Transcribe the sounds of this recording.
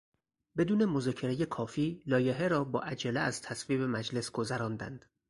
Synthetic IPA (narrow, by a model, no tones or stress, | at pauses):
be̞d̪uːne̞mo̞zɒːcʰe̞ɾeje̞kʰɒːfiːlɒːjeɦeɾɒːbɒ̰ːʔæd͡ʒæleæz̥t̪ʰæsviːbe̞mæd͡ʒle̞sɡ̥o̞zæɾɒːnd̪æ̰nd̪̥